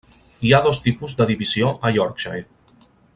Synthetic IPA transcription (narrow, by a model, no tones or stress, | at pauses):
iaðost̪ipuzd̪əðiβizioʔəjɔɾkʃaj